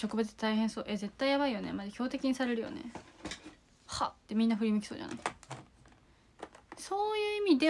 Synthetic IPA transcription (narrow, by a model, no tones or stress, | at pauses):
ɕo̞kɯ̟bat͡sɨ̥t̪et̪aiɦẽɰ̃so̞̰ːʔe̞ze̞t̪ːaijaβaijo̞nemadeçʲo̞ːt̪e̞kʲiɲ̟isaɾe̞ɾɯ̟jo̰ne̞̰ | ha̰t̪ːe̞mʲĩnːaɸɯ̟ɾʲimikʲiso̞̰ːʑa̰na̰i | so̞ːjɯ̟ːimʲid̪e̞